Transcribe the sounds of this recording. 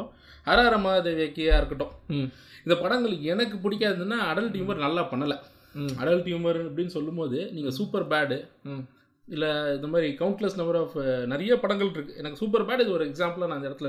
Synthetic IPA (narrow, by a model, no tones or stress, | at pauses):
hɐɾaːɾɐmaːɐðeʋeːkːɪjaːɪɾɯkːɐʈːõː | ɪnd̪ɐpɐɽɐŋɡɐɭkːɛnɐk̬ːɯpʊɽɪk̬ːaːððɯnːaːɐɽɐlʈiːmʋɐɾnɐlːaːpɐɳːɐlɐ | ɐ̰ɽɐlʈimʋɐɾɐpːɐɽɪnːɯsɔlːɯmboːðɯniːŋɡɐsuːpɐɾbaːɽ | ɪlːɐɪnd̪ɐmaːd̪ɾikɐʋʊɳʈlɐsnɐmbɐɾɔːfnɐɾɐjɐpɐɽɐŋɡɐɭɾɯkːɯɛnɐkːɯsuːp̬ːɐɾbaːɖɪðɯɔɾɯɛksaːmplaːnãːɪnd̪ɐɪɽɐt̪ːl